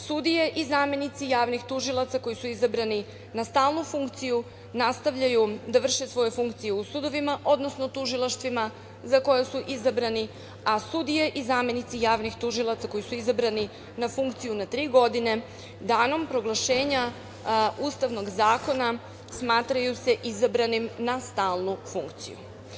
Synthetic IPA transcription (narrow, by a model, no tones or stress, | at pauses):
sud̪ije̞ʔizamje̞nit̪sijaːʋnixt̪uʒilˠat̪sako̞jisuizabɾani | nast̪aːlˠnufuŋkt̪siju | nast̪aʋʎajud̪aʋr̩ʃe̞sʋo̞jufuŋkt̪sijeusud̪o̞ʋimaʔo̞d̪no̞sno̞t̪uʒilˠaʃt̪ʋima | zako̞jeasuʔizabɾani | asud̪ijeʔizaːmje̞nit̪sijaːʋnixt̪uʒilˠat̪sako̞jisuizabɾani | nafuŋkt̪sijunat̪ɾiːɡo̞d̪ine̞ | d̪aːno̞mpɾo̞ɡlˠaʃe̞ːɲa | uːst̪aʋno̞ɡzaːko̞na | smaːt̪ɾajuse̞ʔizabɾanimnast̪aːlˠnufuŋkt̪sḭjṵ